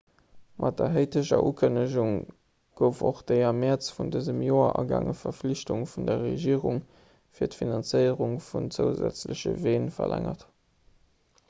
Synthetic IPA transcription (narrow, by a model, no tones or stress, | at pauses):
mʔɑt̚dɐɦəɪtʰəɕɐ̰ʔuːkʰənəʑuŋ | ɡ̥əʊfoχd̥eɪɐmɛt͡sfundəzəmjoːɐʔɑɡɑ̰ŋəfɐfliɕtuŋfundɐʁeʒiːʁuŋ | fiːɐtfinɑnt͡səɪəʁuŋfunt͡səʊzæ̰t͡sləɕə̰veːnfɐ̰lʔæ̰ŋɐt